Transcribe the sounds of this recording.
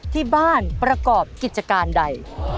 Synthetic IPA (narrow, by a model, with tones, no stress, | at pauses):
t̪ʰiː˥˩baː˥˩npɾa˧kɔː˨˩p̚ki˨˩t̪̚t͡ɕa˧kaː˧nda˧j